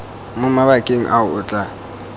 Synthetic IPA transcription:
mʊmaβakʼeŋ̩ʔaʊʊːt͡ɬʼa

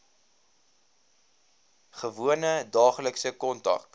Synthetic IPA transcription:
χəvuənədɑːχləksəkɔntɐ̰k

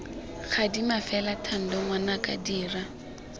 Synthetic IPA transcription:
χʰadimafɛlatʰan̩dɔŋwanakʼa̰diːra

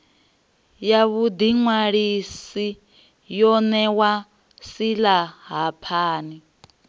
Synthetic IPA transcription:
jaβud̪iŋwaɺisi | jɔnɛwa | silaɦapʰaːni

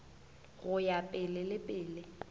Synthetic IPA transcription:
ɣʊjapʼɪlɪlɪpʼɪːlɪ

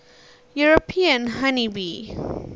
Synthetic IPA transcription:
juɹopʰiə̃nɦanibi

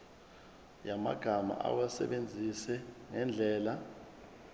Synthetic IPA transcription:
jama̰ɡ̥ʱama̰ʔa̰wasɛ̰ɓend͡zʱisɛŋɛnd͡ɮʱɛːla

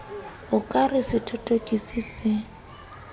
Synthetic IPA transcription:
ʊkʼarɪsɪtʰʼɔtʼokʼisisɪ

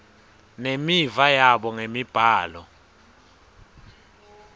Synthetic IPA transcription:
nemivajaɓɔŋemib̥ʱaːlɔ

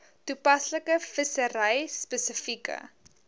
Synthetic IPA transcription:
tupɐsləkəfəsəɾɛjspəsəfikə̰

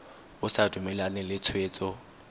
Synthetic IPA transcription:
ʊsadumɛlanɛlɪt͡sʰweːt͡sʼɔ

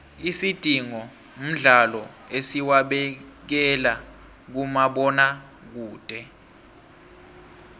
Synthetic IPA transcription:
isid̥ʱiŋɔ | m̩ɮalɔ | esiwaɓɛk̬ɛla | k̬umaɓɔna | k̬uːd̥ʼʱɛ

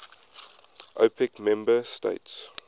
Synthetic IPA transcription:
ʔo̰pʰɪkmɛ̃mbəstḛɪts

